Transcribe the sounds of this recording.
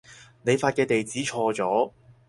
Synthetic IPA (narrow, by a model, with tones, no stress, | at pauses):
ne˨˧jfaː˧t̚kɛː˧t̪e˨jt͡siː˨˥t͡ʃʰɔː˧t͡sɔː˨˥